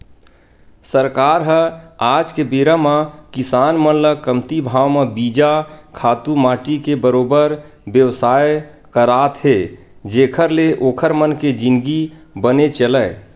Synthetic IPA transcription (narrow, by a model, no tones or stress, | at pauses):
səɾkaːɾɦəaːd͡ʒkebeɾamakisaːnmənləkəmt̪ibʱaːwmebiːd͡ʒakʰaːt̪umaːʈikebəɾoːbəɾ | bjəwsaːj | kəɾaːt̪ɦe | d͡ʒeːkʰəɾleʔoːkʰəɾmənked͡ʒinɡibənet͡ʃələː